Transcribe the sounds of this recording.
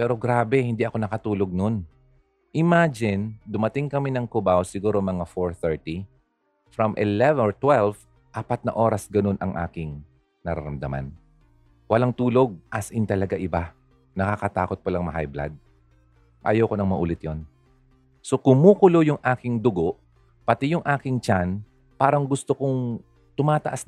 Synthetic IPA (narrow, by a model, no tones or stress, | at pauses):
pɛːɾo̞ɡɾaːbɛhɪnd̪iʔɐko̞nɐkɐt̪uːlo̞ɡ̚no̞n | ʔɪmaːd͡ʒɪnd̪ʊmɐt̪ɪŋkɐminɐŋkʊbawsɪɡuːɾo̞mɐŋafoɹθɛɹt̪i | fɾɐmʔɪlɛvɛɹt̪wɛlv | ʔaːpɐt̪̚nɐ̰ʔo̞ːɾɐsɡɐno̞nʔɐŋʔa̰ːkɪŋ | nɐɾɐ̰ɾɐmd̪ɐ̰ma̰n | wɐlaŋt̪uːlo̞ɡ̚ʔasʔɪnt̪ɐlɐɡaʔɪba | nɐkakɐt̪a̰ːko̞t̪̚pɐlɐŋmɐɦa̰jbla̰d̪̚ | ʔa̰ːjɐwkonɐŋmɐʔṵːlɪt̪jon | so̞kʊmuːkʊlo̞jʊŋʔaːkɪŋd̪ʊɡoʔ | pɐt̪ɛjʊŋʔaːkɪŋt͡ʃan | paːɾɐŋɡʊst̪okʊŋ | t̪ʊmaːt̪ɐʔas